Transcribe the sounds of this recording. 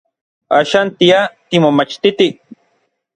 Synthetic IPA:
a̰ːʃaːnt̪iat̪imomat͡ʃt̪it̪i

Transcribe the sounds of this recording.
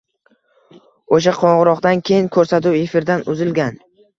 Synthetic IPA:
oʃaqʰɒɴʁɨɾɒqd̪ankʲʰe̞jɪŋkʰɵɾsat̪ʊwe̞fɪɾd̪anʊzɪlɡʲan

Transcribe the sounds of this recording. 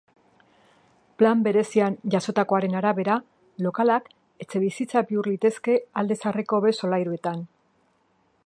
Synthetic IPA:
plambe̞ɾe̞sianʝaso̞t̪ako̞aɾe̞naɾaβe̞ɾa | lo̞kalak | e̞t͡se̞βisit͡sabiuɾlit̪e̞ske̞ald̪e̞sareko̞βe̞so̞lajɾue̞t̪an

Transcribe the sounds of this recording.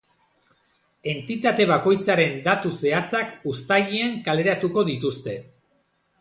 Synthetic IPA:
e̞nt̪it̪at̪e̞β̞ako̞jt͡saɾe̞nd̪at̪use̞at͡sakust̪aʎiaŋkale̞ɾat̪uko̞ðit̪ust̪e̞

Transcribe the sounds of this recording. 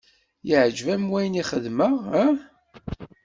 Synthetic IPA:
jiʕd͡ʒvæmwæjniχəðməʁæ

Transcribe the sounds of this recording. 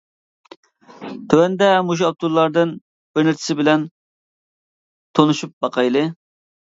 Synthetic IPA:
t̪ʰøwɛnd̪ɛmuʒɑp̚t̪ʰulˠːɑɾd̪ɨn | b̥ɪɾnɪɾt̪ʰɪ̥sɪbɪlɛn | t̪ʰonuʃup̚bɑqʰɑjlˠɨ

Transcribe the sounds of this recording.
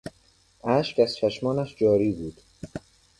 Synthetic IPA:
ʔæːʃcʰæzt͡ʃʰæʃmɒːnæʃd͡ʒɒːɾiːbuːd̪̥

